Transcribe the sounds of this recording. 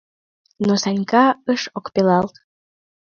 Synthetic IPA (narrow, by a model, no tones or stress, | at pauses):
nosɑnʲkɑəʃokpelɑlt̪